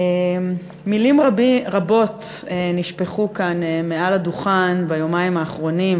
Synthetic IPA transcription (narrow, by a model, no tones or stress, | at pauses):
e | milimʁʁabo̞t | eniʃpe̞χukanemeʔaladuχanbajomaimaːχʁo̞nim